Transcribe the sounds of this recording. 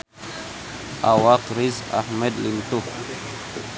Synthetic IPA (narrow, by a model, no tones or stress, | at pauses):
ʔawaqɾiza̰ħmed̪lint̪u